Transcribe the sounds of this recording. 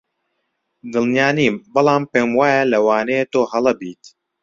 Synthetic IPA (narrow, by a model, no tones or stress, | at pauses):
d̪ɨlˠnijaːniːmbɨlˠaːmpeːmwaːjalɐwaːnejet̪oːhɐlɐbiːt̪